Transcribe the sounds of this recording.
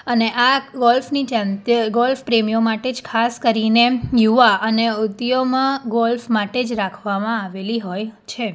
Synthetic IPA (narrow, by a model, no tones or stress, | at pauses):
əneʔaɡɔlfnid͡ʒãnt̪ɡɔlfpɾemijomaʈed͡ʒkʰaskəɾinejuʋaʔəneʊd̪jomãɡɔlfmaʈed͡ʒɾakʰʋamãaʋeliɦojt͡ʃʰe